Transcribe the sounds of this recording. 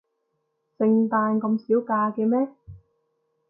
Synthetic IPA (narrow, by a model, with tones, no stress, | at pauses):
t͡sɪ˧ŋt̪aː˧nkɐ˧msiː˨˥wkaː˧kɛː˧mɛː˥